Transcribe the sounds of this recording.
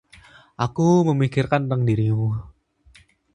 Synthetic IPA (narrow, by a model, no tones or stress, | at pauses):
ʔakuməmikɪrkant̪əŋdiɾimu